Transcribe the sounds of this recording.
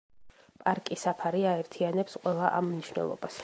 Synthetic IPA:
pʼaɾkʼisapʰaɾiaɛɾt̪ʰianɛpsqʼwɛlˠaʔamniʃwnɛ̰lˠɔ̰bas

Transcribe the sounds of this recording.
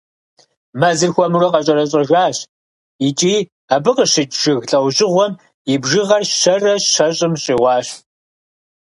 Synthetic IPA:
mɐzɨrxʷɔmurɐqɐɕʼɐɾɐɕʼɐʒaːɕ | it͡ʃʼiː | aːbɨqəɕɪt͡ʃʼʒ̥ɨɣɬʼɐwʑʼɪʁʷɔm | ibʒɪʁɐrʃɐrɐʃɐɕʼɪmɕʼiːʁʷɑːɕ

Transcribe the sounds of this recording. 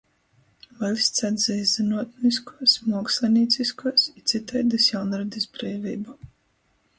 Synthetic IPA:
valʲsʲt̪sɛnsɛjzɨnuɔt̪niskuɔsmuɔkslʲɛnʲiːt̪siskuɔsit̪sit̪ɛjd̪ɨsjawnɾɛd̪ʲɨsbɾɛːvʲiːbu

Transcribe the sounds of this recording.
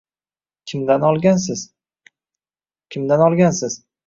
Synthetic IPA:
kʲʰɪmd̪anɒlˠɡʲansɪz | kʲʰɪmd̪anɒlˠɡʲansɪz̥

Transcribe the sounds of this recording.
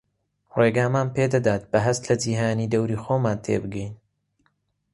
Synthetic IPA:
reːɡaːmaːnpeːd̪ɐd̪aːt̪̚b̥ɐɦɐst̪lɐd͡ʒiːɦaːniːd̪ɐwɾiːxoːmaːnt̪ʰḛːbɨɡɛjn

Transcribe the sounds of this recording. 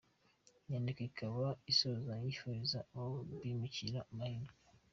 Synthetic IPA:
ɲaːndikaikʰaβaisozajifuɾizaoβimuciɾamahiːnɡo

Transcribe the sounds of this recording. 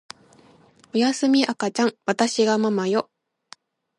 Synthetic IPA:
o̞jasɨmʲiʔakat͡ɕãŋ̃βat̪aɕiɡamamajo̞

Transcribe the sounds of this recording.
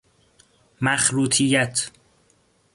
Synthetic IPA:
mæxɾuːt̪ʰijæt̪ʰ

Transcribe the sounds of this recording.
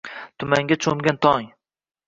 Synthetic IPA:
t̪ʰʊmaŋɡʲat͡ʃʰomɡʲant̪ʰɒŋ

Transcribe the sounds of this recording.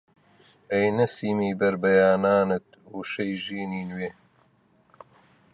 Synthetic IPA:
ejnɐsiːmiːbɐɾbɐjaːnaːnɨt̪̚ | uːʃɐjʒiːniːnweː

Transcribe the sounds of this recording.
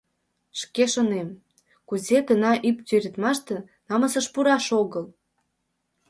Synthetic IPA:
ʃkeʃonem | kuzekənɑʔypt̪øɾʲət̪mɑʃt̪ĕ | nɑməsəʃpuɾɑʃoɣəl

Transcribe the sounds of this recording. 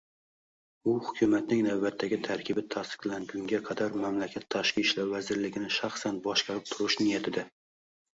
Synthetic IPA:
ʊhʊkʲʰʊmat̪nɪŋnavbat̪ʰːaɡʲɪt̪ʰaɾkʲʰɪbɪt̪ʰast̪ɪ̥qlaŋɡʲʊŋɡʲaqʰɑd̪aɾmamlakʲʰat̪ʰːaʃkʲiʃlaɾvazɪɾlɪɡʲɪnɪʃɑχsanbɒʃkɑɾɪp̚t̪ʰʊɾɪʃnɪjat̪ʰɪd̪ɪ

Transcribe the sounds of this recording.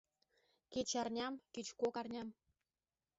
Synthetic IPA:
ket͡ɕɑrnʲɑmket͡ɕkokɑrnʲɑm

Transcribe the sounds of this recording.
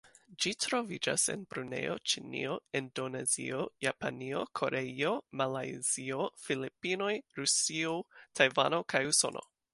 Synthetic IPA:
d͡ʒitɾo̞vid͡ʒa̰se̞̰nbɾune̞̰jo̞̰t͡ʃinḭo̞endo̞ne̞zḭojapanio̞̰kʰo̞ɾe̞io̞malajziofilipino̞jɾusiotʰajvano̞kʰajuso̞no̞̰

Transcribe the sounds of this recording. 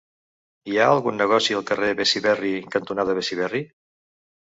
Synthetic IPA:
iaəlˠɣunːəɣɔsiəlˠkəreβɛsiβɛrikənt̪unaðəβesiβɛri

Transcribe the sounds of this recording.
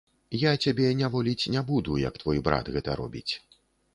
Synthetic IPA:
jat͡sʲabʲɛnʲavɔlʲit͡sʲnʲabud̪ujɐ̰kt̪vɔjbɾa̰t̪ɣɛt̪ɐ̰ɾɔ̰bʲḭt͡sʲ

